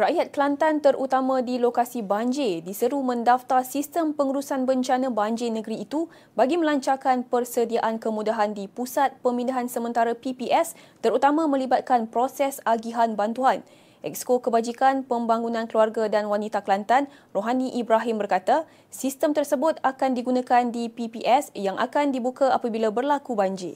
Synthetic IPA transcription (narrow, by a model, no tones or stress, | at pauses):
raʔjat̪̚kəlant̪ant̪əɾʔut̪amãdilokasibaɲd͡ʒedisəɾumə̃ndaft̪arsist̪əmpəŋuɾusanbəɲt͡ʃanãbaɲd͡ʒenə̃ɡəɾiːt̪u | baɡimə̃laɲt͡ʃarkanpərsədiaʔankəmũdaɦandipusat̪̚pəmĩndaɦansəmə̃nt̪aɾapipiʔɛst̪əɾut̪amãmə̃libat̪̚kanpɾosɛsaɡiɦanbant̪uan | ʔɛ̰k̚skokəbad͡ʒikanpəmbaŋunãnkəluarɡadanwanit̪aklant̪an | roɦanĩʔibɾaɦimbərkat̪a | sist̪əmt̪ərsəbʊt̪akandiɡunãkandipipiʔɛsjaŋʔa̰kandibukaapabilabərlakubaɲd͡ʒɪ̰